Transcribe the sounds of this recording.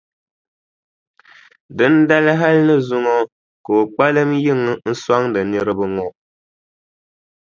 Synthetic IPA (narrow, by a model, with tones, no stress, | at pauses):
dɨ˦n˦da˦lɨ˦ɦa˦lnɨ˦zʊ˦ŋɔ˦ | kɨ˨o˨k͡pa˦lɨ˦mji˦˨ŋɨ˨n̩˦sa˦ŋdɨ˨nɨ˦ɾɨ˦bɨ˦ŋɔ˦ʔ